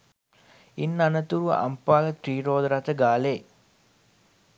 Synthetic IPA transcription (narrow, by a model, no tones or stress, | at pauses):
inːanət̪uɾṵʔa̰mpaːlət̪ɾiːɾoːd̪əɾat̪əɡaːleː